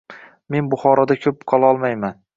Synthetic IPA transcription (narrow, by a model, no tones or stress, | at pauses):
me̞nbʊχɒɾɒd̪akʲʰɵp̚qʰɒlˠaɒlˠmajman